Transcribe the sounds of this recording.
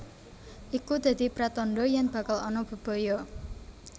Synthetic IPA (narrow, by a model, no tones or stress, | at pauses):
ʔikud̪̥a̤d̪i̤pɾat̪ɔnɖɔjaŋb̥ä̤kalɔnɔb̥ṳb̥ɔ̤jɔ